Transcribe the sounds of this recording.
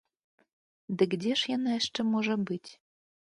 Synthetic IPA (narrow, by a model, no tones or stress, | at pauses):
d̪ɘ̆ɡdʲeʃjɑnɑeʃtɘ̆moʒɤ̆bɯtʲ